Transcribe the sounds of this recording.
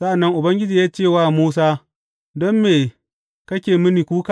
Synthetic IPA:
sa˦ʔa˨nːɐ˦ŋʔʊ˨bɐ˦ŋɡʲɪ˦d͡ʒiː˨jaː˦t͡ʃeː˦˨waː˦muː˦s̬aː˦ | dɔ˦mːeː˨ | kɐ˦kʲeː˨mɪ˦niː˨kʷuː˦ka˨

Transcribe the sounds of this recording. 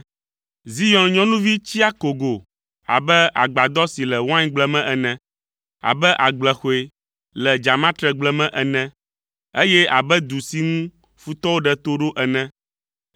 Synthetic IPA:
zi˦jɔ̃˦nɲɔ̃˦nũ˦vi˦t͡ɕi˦a˦ko˨ɡo˨ | a̰˨bɛ˦ʔa̰˨ɡ͡ba˨d̪ɔ˦si˨lɛ˨wã˦ɲ˦ɡ͡blɛ˨mɛ̃˦ʔɛ˨nɛ̃˦ | a̰˨bɛ˦ʔa˨ɡ͡blɛ˨xo˨e˨ | lɛ˨d͡ʒa˨mã˦t̪ɾɛ˨ɡ͡blɛ˦mɛ̃˦ʔɛ˨nɛ̃˦ | e˦jɛ˦a˨bɛ˦d̪u˨si˦ŋũ˦ | fu˦t̪ɔ˦wo˦ɖɛ˦t̪o˦ɖo˦ʔɛ˨nɛ̃˦

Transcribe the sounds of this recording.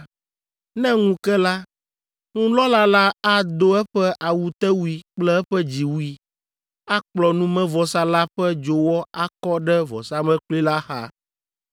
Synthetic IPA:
nɛ̃˦ŋũ˦kɛ˦la˦ | ŋũ˦lɔ˦la˦la˦a˦d̪o˦ɛ˦ɸɛ˦ʔa˨wu˨t̪ɛ˦wu˦i˨k͡plɛ˦ɛ˦ɸɛ˦d͡ʑi˨wu˦i˦ | a˦k͡plɔ˨nũ˦mɛ̃˦vɔ˨sa˦la˦ɸɛ˦d͡ʒo˨wɔ˦a˦kɔ˦ɖɛ˦vɔ̰˨sa˦mɛ̃˦k͡pli˦la˦xa̰˨

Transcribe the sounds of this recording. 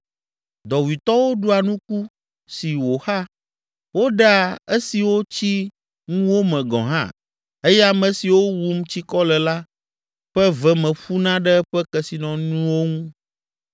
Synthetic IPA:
d̪ɔ˨wi˨t̪ɔ˦wo˦ɖu˦a˨nũ˦ku˦ | si˨wo˨xa˦ | wo˦ɖa˦e˦si˨wo˦t͡ɕi˦ | ŋũ˦wo˦mɛ̃˨ɡɔ̰̃˨ɦã̰˦˨ | e˦jɛ˦a˨mɛ̃˨si˨wo˦wu˦mt͡ɕi˦kɔ˦lɛ˨la˦ | ɸɛ˦vɛ˨mɛ̃˨ɸu˦nã˦ɖɛ˦ɸɛ˦kɛ˨si˨nɔ̃˨nũ˦wo˦ŋũ˦

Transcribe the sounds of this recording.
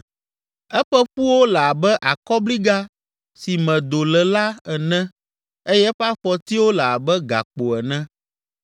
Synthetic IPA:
ɛ˦ɸɛ˦ɸu˦wo˦lɛ˨a˨bɛ˦ʔa˨kɔ˦bli˦ɡa˦ | si˨mɛ̃˨d̪o˨lɛ˨la˦ɛ˨nɛ̃˦ | e˦jɛ˦ɸa˦ɸɔ˨t̪i˦wo˦lɛ˨a˨bɛ˦ɡa̰˨k͡po˨ɛ˨nɛ̃˦

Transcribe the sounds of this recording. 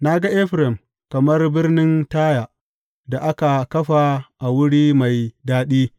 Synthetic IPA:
na˦ɡa˦ʔɛ˦ɸɾɛ˨m | kɐ˨mɐ˦rbɪ˦rnɪ˦ntaː˦ja˨ʔ | da˨ʔa˦ka˨kɐ˦ɸa˨ʔa˨wʊ˦ɽiː˦ma˨jdaː˦ɗiː˦

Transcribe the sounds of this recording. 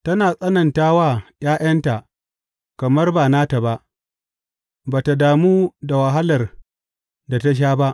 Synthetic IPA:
tɐ˦naː˨sʼɐ˦nɐ˨ntaː˦waː˦j̰aː˦ʔɐ˦nta˨ʔ | kɐ˨mɐ˦rbaː˨naː˦ta˨ba˦ʔ | baː˨ta˨daː˨muː˦da˨wa˨ɦa˦lɐ˨r | da˨ta˦ʃ̬aː˦ba˦ʔ

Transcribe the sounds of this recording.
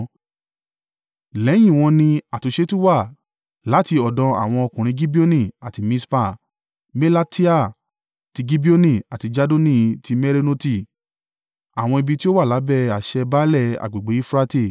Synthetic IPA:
lɛ˨˦j̃ĩ˦˨w̃ɔ̃˧nĩ˧a˨tu˨˧ʃe˦tu˦wa˦˨ | la˨˦ti˧ɔ˨dɔ̃˧a̰˨w̃ɔ̃˧ɔ˧kũ˨ɾ̃ĩ˧ɡi˦bi˦o˦nĩ˦˨a˨ti˧mĩ˧˦spa˦˨ | mɛ˦la˦ti˦a˦˨ | ti˧ɡi˦bi˦o˦nĩ˦˨a˨ti˧d͡ʒa˦do˦nĩ˦˨ti˧mɛ˦ɾe˦no˦ti˦˨ | a˨w̃ɔ̃˧i˧bi˧ti˦o˦wa˦˨la˨˦bɛ˦˨a˨ʃɛ˧ba˦lɛ˦˨a̰˨ɡ͡be˨ɡ͡be˨˦i˦fɾa˧te˦˨

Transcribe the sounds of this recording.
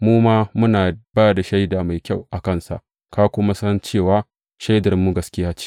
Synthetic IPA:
muː˦maː˦mʊ˦naː˨b̥aː˦jda˨ʃa˦jdaː˨ma˨jkʲa˦˨wʔa˨kɐ˦˨nsa̰˨ʔ | ka˦kʷʊ˦ma˦sɐ˦nt͡ʃeː˦˨waː˨˦ | ʃa˦jdɐ˨ɾmːuː˦ɡɐ˦skʲɪ˦jaː˦t͡ʃi̥ː˦

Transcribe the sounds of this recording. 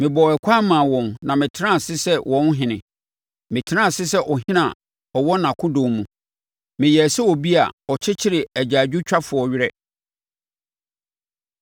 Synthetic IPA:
mɪ̃˨bɔ˨ɛ˨kʷʰaː˦mã˨wɔ̃˨nnã˨mɪ̃˨tʰɪ˦ɾã˦˨sɪ˦sɛ˦wʔɔ̃˦n˦ɦɪ̃˨nɪ̃˨ | mɪ̃˨tʰɪ˦ã˦˨sɪ˦sɛ˦ʔɔ˨ɦɪ̃˦nã˨ | ɔ˨wɔ˦nã˨kʰʊ̃˦dõː˨mũ˨ | mɪ̃˨jɛ˨sɛ˦wɔ˨bi˦a̰˨ɔ˨t͡ɕʰɪ˦t͡ɕʰɪ˦ɾɪ˨æ˨d͡ʑaː˨d͡ʑᶣu˦t͡ɕᶣa˦fʊ˨ɔ˦ɥɪ˦ɾɛ˦

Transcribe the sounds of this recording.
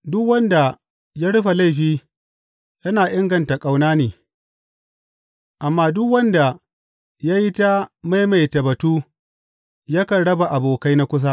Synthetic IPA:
dʊ˦kwɐ˦nda˨ | ja˦ɽʊ˦ɸa˨la˦jɸiː˦ | jɐ˦naː˨ʔɪ˦ŋɡɐ˨nta˨kʼa˨wnaː˦neː˨ | ʔa˨mːaː˦dʊ˦kwɐ˦nda˨ | ja˦ji˦ta˦ma˦jma˨jtɐ˨bɐ˨tuː˦ | jɐ˦kɐ˨ɽɐ˦ba˨ʔa˨boː˨ka˦jna˦kʷʊ˦s̬a˦

